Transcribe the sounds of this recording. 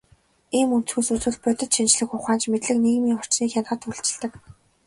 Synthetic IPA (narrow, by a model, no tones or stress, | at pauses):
iːmun̥t͡s̆xuːsut͡sŭːɮ̚pœt̪ʲɪ̆t̪ʃint͡ɕɮɘ̆xʊχaːnt͡ɕmet̪ɮɘ̆kniːɣmiːŋɔr̥t͡ɕniːxʲanχə̆t̪ʰŭɬt͡ɕɪ̆ɮt̪ə̆k